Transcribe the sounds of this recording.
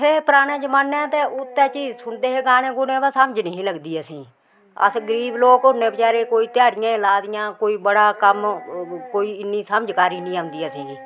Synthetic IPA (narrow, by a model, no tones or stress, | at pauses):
epəɾaːnẽːd͡ʒəmaːnɛ̃ːt̪eːʊt̪ːɛːt͡ʃiːzsʊnd̪eːɦeːɡaːnẽːɡʊnẽːbaːsəməd͡ʒnəĩːləɡd̪iːəsĩː | ə̰sɡəɾiːbloːkɦʊnːẽːbət͡ʃaːɾeːkoːiːt̪ɪjaːɽɪjãːɪlaːd̪ɪjãːkoːiːbəɽaːkəmkoːiːɪnːiːsəməd͡ʒkaːɾiːnĩːand̪iːəsĩː